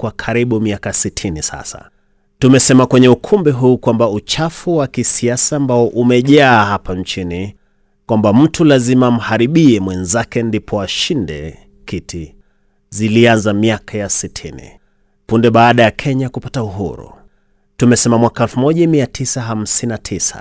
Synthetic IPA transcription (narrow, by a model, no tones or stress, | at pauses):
kwakʰaɾiɓumiakasitʰinisa̰sa̰ | tumɛsɛmakwɛɲɛukʰumbɛɦuːkwambaut͡ʃafuwakisiasaːmbaɔʔumɛʄaːhapant͡ʃini | kwambam̩tʰulazimam̩haɾiɓiɛmwɛnzakɛndipʰɔaʃindɛ̰ | kitʰi | zilianzamiakʰajasitʰinḭ | pundɛɓaːɗajakʰɛɲakupatauɦṵɾṵ | tumɛsɛmamwakaɛlfumɔʄamiatʰisaɦam̩sinatʰisa̰